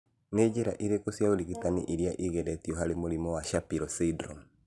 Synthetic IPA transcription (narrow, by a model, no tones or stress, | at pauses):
neɟeɾaʔiɾekosijaoliɣitanḭʔiɾjaʔiɣɛɾɛtiɔɦaɾemoɾimɔwaʃapiɾɔsidɾɔm